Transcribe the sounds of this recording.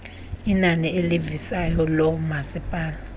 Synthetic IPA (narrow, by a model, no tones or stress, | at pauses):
inanielivisajɔlɔmasipʼaːla